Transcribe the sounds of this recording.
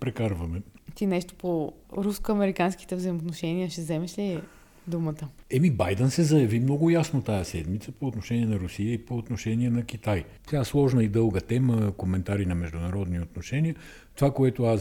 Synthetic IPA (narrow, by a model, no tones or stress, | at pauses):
pɾɛkaɾvɐmɛt̪inɛʃt̪o̥po | ɾuskoɐmɛɾikanski̥t̪ɛvzəjmot̪noʃɛniəʃɛzɛmɛʃli | d̪umət̪əɛmibajd̪ɛnsɛzɐjɐvimnɔɡʊjasnot̪ajəsɛd̪mit̪səpoːt̪noʃɛniɛnɐɾʊsijəipoːt̪noʃɛniɛnɐkit̪aj | t̪ʲaslˠɔʒnəid̪ɤlˠɡət̪ɛməkomɛnt̪aɾinɐmɛʒd̪ʊnɐɾɔd̪niot̪noʃɛnʲiə | t̪ovakoɛt̪oas